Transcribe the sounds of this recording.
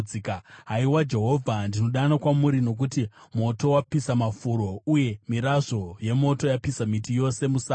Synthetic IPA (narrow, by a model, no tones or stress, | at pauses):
ikɦaiwad͡ʒe̞ɦo̞vʱandino̞ɗanakwamuɾino̞k̬utimo̞to̞wapisamafuɾo̞uje̞miɾaʐo̞je̞mo̞to̞japisamitijo̞se̞musa